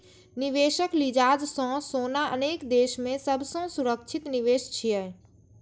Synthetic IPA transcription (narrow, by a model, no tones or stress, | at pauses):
nɪʋeːʃəklid͡ʒaːd͡ʒsɔ̃soːnaʔə̰neːkd̪eːʃmẽsəbsõsʊɾəkt͡ʃʰɪt̪nɪʋeːʃt͡ʃʰiɛ